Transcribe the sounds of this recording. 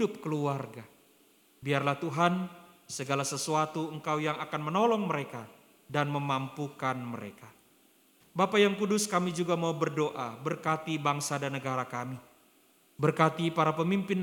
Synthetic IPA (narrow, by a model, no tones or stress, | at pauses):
ʊp̚kəluarɡa | biarlaht̪uɦan | səɡalasəsuat̪uəŋkawjaŋakanmənɔlɔŋməɾeka | danməmampukanməɾḛka | bapajaŋkudʊskamid͡ʒuɡamaubərdoʔabərkat̪ibaŋsadanəɡaɾakami | bərkat̪ipaɾapəmimpɪn